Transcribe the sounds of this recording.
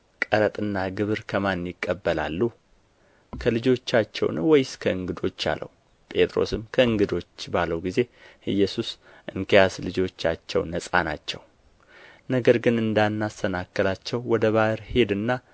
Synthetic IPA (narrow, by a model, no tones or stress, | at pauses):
kʼəɾət̪ʼɨnːaɡɨβɨɾkʰəmanjɪkʼːəbːəla̰lːu | kʰəlɨd͡ʒo̞t͡ʃːat͡ʃːɛ̰wnwɔjskʰəɨŋɡɨd̪o̞t͡ʃːa̰lə̰wu | pʼe̞t̪ʼɾo̞̰sɨmkʰəɨŋɡɨd̪o̞t͡ʃːbaləwɡize̞ʔɨjːɛsus | ʔɨŋkʰəjaslɨd͡ʒo̞t͡ʃːat͡ʃːɛ̰wnəsʼa̰nat͡ʃːɛw | nəɡəɾɡɨnɨnd̪anːast̪ʰənakːəlat͡ʃːɛwːɔd̪əβahɨɾhe̞d̪ɨnːa